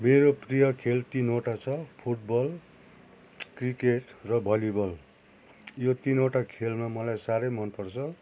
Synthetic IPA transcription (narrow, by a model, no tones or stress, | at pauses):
meɾoprijʌkʰelt̪inoʈat͡sʰʌpʰuʈ̚bʌl | krikeʈrʌbʱʌlibʌl | jot̪inoʈakʰelmamʌlajsaɾʌjmʌnpʌrt͡sʰʌ